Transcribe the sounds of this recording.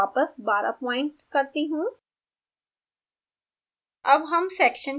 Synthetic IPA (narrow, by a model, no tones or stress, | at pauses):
aːpəsbaːɾə̰pɔːɪ̃ɳʈkɐɾt̪iɦũː | ɐbɦɐmsɛːkʃən